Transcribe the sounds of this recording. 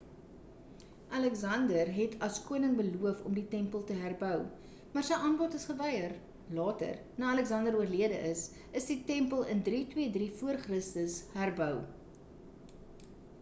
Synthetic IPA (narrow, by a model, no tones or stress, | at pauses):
ʔɐlɛksɐndərɦɛtʰɐskuənəŋbəluəfɔ̰mditɛmpəlˠtəɦærbœw | mɑːrsəjʔɑːnbɔtəsχəvɛjər | lɑːtə̰r | nɐːɐlɛksɐndəɾuərliədəʔəs | əsditɛmpəlˠəndritwiədrifuərχrəstəshærbœw